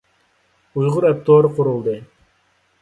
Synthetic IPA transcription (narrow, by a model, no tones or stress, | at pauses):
ujʁʊɾɛp̚t̪ʰoːɾqʰʊɾulˠd̪ɨ